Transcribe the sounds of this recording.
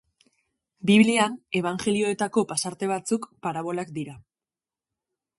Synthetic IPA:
biβliane̞β̞aŋʝe̞lio̞e̞t̪ako̞pasaɾt̪e̞β̞at͡sukpaɾaβ̞o̞lakd̪iɾa

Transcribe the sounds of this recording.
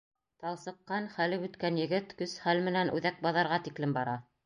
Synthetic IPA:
t̪ɑlˠsɤ̆qːɑnχælɘʉt̪kænjɘ̆ɡɘt̪kɵsχælmɘ̆nænʔʉ̰ðæk̚bɑðɑɾʁɑt̪iklɘmbɑɾɑ

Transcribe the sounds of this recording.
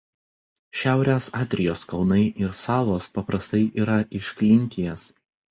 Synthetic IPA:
ʃʲæˑʊɾʲesɑːt̪ʲɾʲɪjoːskɒlˠnɐɪʔɪɾsɑːʋˠoːspɐpɾɐst̪ɐɪʔiːɾɐʔɪʃʲkʲlʲɪŋʲˑkʲɪjɛs

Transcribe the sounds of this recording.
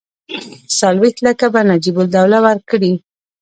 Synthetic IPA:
sɑlwext̪lakabanad͡ʒibʊld̪awlawaɾkɽi

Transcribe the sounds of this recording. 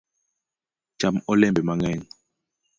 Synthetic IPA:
d͡ʒamɔlɛmbɛmaŋɛn

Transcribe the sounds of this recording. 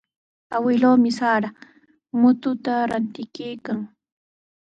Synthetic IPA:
awɪloːmɪsaːɾa | mʊt̪ʊt̪aɾant̪ɪkijkaŋ

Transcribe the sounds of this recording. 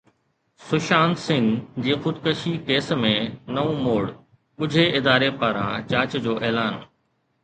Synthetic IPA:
sʊʃaːnsɪ̃ŋɡd͡ʑiːxʊd̪kəʃikeːsmẽnɐũmoːɽ | ɓʊd͡ʑʱeɪd̪aːɾepaːɾã̰t͡ɕaːɾt͡ɕd͡ʑoːʔɛːlaːn

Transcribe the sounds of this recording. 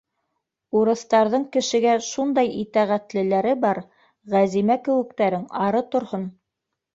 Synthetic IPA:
uɾɤ̆θt̪ɑɾðɤɴkɘ̆ʃɘ̆ɡæʃund̪ɑjit̪æʁæt̪lɘ̆læɾɘbɑɾ | ʁæzimækɘ̆wɘ̆k̚t̪æɾɘŋɑɾɤt̪ŏɾhon

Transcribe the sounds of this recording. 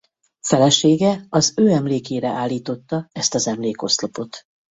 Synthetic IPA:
fɛlɛʃeːɡɛɒzøːɛmleːkeːɾɛʔaːlːiːt̪o̞t̪ːɒɛst̪ɒzɛmleːko̞slopo̞t̪

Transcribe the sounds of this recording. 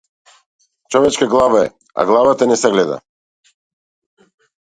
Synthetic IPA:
t͡ʃɔvɛt͡ʃkaɡlˠavaɛ̰ | a̰ɡlˠavat̪anɛsɛɡlɛd̪a̰

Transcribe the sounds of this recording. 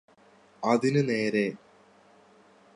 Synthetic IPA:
ɐðinɨne̞ːɾe̞

